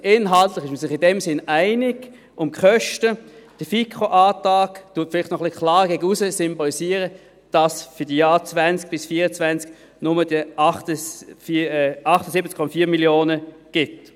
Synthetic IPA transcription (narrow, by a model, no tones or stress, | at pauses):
ʔɪnɦɑltlɪχɪʃməsɪχɪndɛmsɪnaɪnɪɡ̥ | ʔʊmkχœʃtəd̥əfikχoʔaːtɑːktuːɐtfɪlɪχtnɔχlikʰlɑːʁɡ̥ɛɡəusəsʏmbolisiəʁə | d̥ɑsfʏd̥ijaːt͡svɛnt͡sk̚b̥ɪsfiːʁət͡svɛnt͡sk | nʊməd̥iəʔɑχtəfʔɑχtəsɪbət͡skʰɔmɑfiːmiljoːnə | ɡ̥ɪt